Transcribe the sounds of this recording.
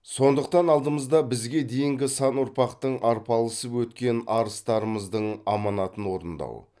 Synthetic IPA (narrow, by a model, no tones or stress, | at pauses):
so̞nd̪əq̚t̪ɑnɑlˠd̪əməzd̪ɑbɪzɡʲe̞d̪e̞jɪŋɡʲɪsɑnʊɾpɑqt̪əɴʔɑɾpɑlˠəsəpwɵt̪kʲe̞nɑɾəst̪ɑɾəməzd̪əɴɑmɑnɑt̪ənwo̞ɾənd̪ɑ̰w